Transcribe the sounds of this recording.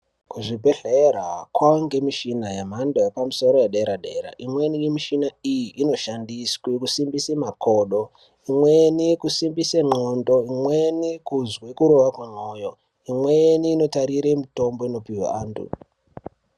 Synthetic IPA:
kuʐibʱe̞ɮera̰kwaŋɡemiʃinajamandojepamuso̞ɾojeɗeɾaɗe̞ːɾa̰ʔimwenimiʃinaijiʔino̞ʃandiskwikusimbisemakʰoɗo̞ | imwenikusimbiseŋ͡ǃondo̞imwenikuzwekuɾo̞wakweno̞jo̞ | imweniːno̞taɾiɾemito̞mbo̞ino̞piwa̰aːntʰṵ

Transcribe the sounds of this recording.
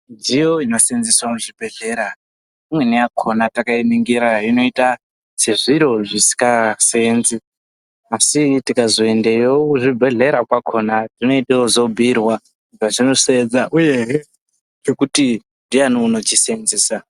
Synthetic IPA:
ndijoinosend͡ziswamuʐibʱe̞ɮe̞ɾa | imwe̞nijakʰonatakainiŋɡiɾaino̞ita | se̞ʐiɾo̞ʐisi̥kasenzi | asitikazo̞e̞ndejouʐibʱe̞ɮe̞ɾakwakʰo̞natino̞iteozo̞bʱirwa | ʐaʐinosed͡zaʔujeɦe | t͡ʃo̞kuti | ndianonot͡ʃisenziːsa

